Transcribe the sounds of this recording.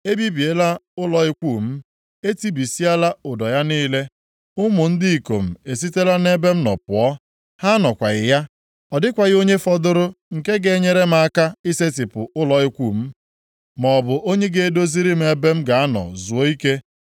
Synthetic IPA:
e˦bi˦bi˨e˦la˦ʊ˦lɔ˨ɪ˦kʷu˦˨m̩˦ | e˦ti˦bi˨si˦a˦la˦ʊ˨dɔ˨ja˦niː˦le˦ | ʊ˦mʊ˨n̩˦di˦i˨ko̰˨m̩˨e˨s̬i˦te˦la˦ne˦be˦m̩˦nɔ̰˨pʊ˨ɔ˦ | ha˦nɔ˨kʷa˨ɣɪ˨ja˦ | ɔ˨dɪ˦kʷa˨ɣɪ˦o˦ɲe˦fɔ˦dʊ˦ɾʊ˦ŋ̩˨ke˦ɡe˨˦ɲe˦ɾe˦m̩˦a˦˨ka˦i˦se˦tɪ˨pʊ˨ʊ˦lɔ˨ɪ˦kʷuː˨m̩˦ | mɔ˨bʊ˨ʔo˦ɲe˦ɡe˦e˨do˦zi˦ɾi˦m̩˦e˨be˦m̩˦ɡa˨a˦nɔ̰˨zu˨o˦i˦ke˦

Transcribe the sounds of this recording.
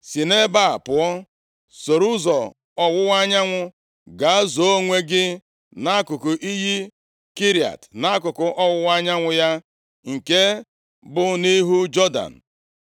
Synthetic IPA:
si˨ne˦ba˦˨pʊ˨ɔ˦ | so˨ɾu˦zɔ˨ | ɔ˦wʊ˦wa˦ɲa˦ŋʷʊ˦ | ɡa˨a˦zo˨o˦ŋʷe˦ɡɪ˦ | na˦kʊ˨kʊ˨ʔi˦ɦi˦ | ki˦ɾi˨a̰˨tna˦a˦kʊ˨kʊ˨ʔɔ˦wʊ˦wa˦ɲa˦ŋʷʊ˦ja˦ | ŋ̩˨ke˦ | bʊ˦ni˦ɦu˦d͡ʒɔ˦da̰˨n̩˨

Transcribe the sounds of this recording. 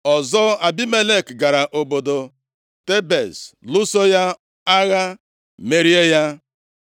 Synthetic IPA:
ɔ˨zɔ˦a˨bi˦me˦le˦kɡa˨ɾa˨ʔo˨bo˨do˨ | te˦be˨slʊ˦so˦ja˦ | a˦ɣa˦ | me˦ɾi˦e˦ja˦

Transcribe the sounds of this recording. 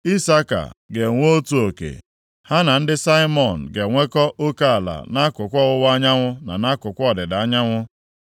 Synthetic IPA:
i˦sa˦ka̰˨ɡe˨ŋʷ˦o˦tu˦o˨kḛ˨ | ha˦na˨n̩˦dɪ˦sa˦i˦mɔ˨n̩˨ɡe˨ŋʷe˦kɔ˦ʔo˦ka˦a˨la̰˨na˦kʊ˨kʷɔ˦ʊ˦wa˦ɲa˦ŋʷʊ˦na̰˨na˦kʊ˨kʷɔ˨dɪ˨da˦ɲa˦ŋʷʊ˦

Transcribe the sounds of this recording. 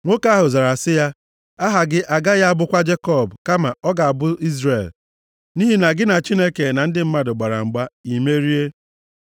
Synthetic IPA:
ŋʷo˦ka˦ɦʊ˨za˨ɾa˨sɪ˦ja˦ | a˦ɦa˨ɡɪ˦ʔa˨ɡa˦ja˦a˦bʊ˦kʷa˦d͡ʒe˦kɔ˦˨bka˦ma˨ɔ˦ɡa˨a˨bʊ˦i˦zɾe˨l | ni˦ɦi˨na˨ɡɪ˦na˨t͡ʃi˦ne˦ke˨na˨n̩˦dɪ˦m̩˦ma˦dʊ˨ɡ͡ba˨ɾa̰˨ŋ͡m̩˨ɡ͡ba˦i˨me˦ɾi˦e˦

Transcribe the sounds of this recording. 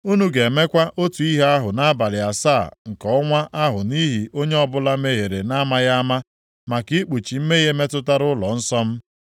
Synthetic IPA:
u˦nu˦ɡe˨e˨me˦kʷa˦ʔo˦tu˨i˦ɦa˦ɦʊ˨na˦a˦ba˨lɪ˨a˨saː˦˨ŋ̩˨kɔ˨˦ŋʷa˦ʔa˦ɦʊ˨ni˦ɦi˨o˦ɲe˦ɔ˦bʊ˦la˦me˦ɦe˨ɾe˨na˦ma˦ja˦ma˦ | ma˨ki˦k͡pu˨t͡ʃi˨m̩˦me˦ɣe˦me˦tʊ˦ta˦ɾʊ˦lɔ˨n̩˦sɔ˦m̩˦

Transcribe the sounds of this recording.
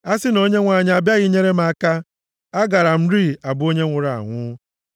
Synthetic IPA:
a˦sɪ˦no˦ɲe˦ŋʷa˨ɲ˦a˨bja˦ɣɪ˦ɲe˦ɾe˦ma˨˦˨ka˦ | a˦ɡa˨ɾa˨m̩˦ɾi˦˨a˨bʊ˦o˦ɲe˦ŋʷʊ˨ɾa˨a̰˨ŋʷʊ˦

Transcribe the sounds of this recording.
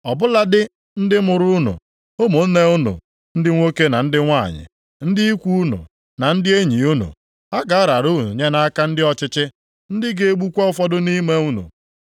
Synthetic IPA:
ɔ˨bʊ˦la˦dɪ˦ | n̩˦dɪ˦mʊ˨ɾʊ˦ʊ˦nʊ̰˨ | o˦mo˨n̩˦ne˦ʊ˦nṵ˨ | n̩˦dɪ˦ŋʷo˦ke˦na˨n̩˦dɪ˦ŋʷa̰˦˨ɲɪ̰˨ | n̩˦dɪ˦i˦kʷu˦u˦nʊ̰˨ | na˨n̩˦dɪ˦e˦ɲi˨u˦nṵ˨ | a˦ɡa˨a˦ɾa˨ɾu˦˨u˨ɲe˦na˦a˦ka˦n̩˦dɪ˦ɔ˦t͡ʃɪ˦t͡ʃɪ˦ | n̩˦dɪ˦ɡe˦e˦ɡ͡bu˦kʷɔ˦fɔ˦dʊ˦ni˦me˦u˦nṵ˨

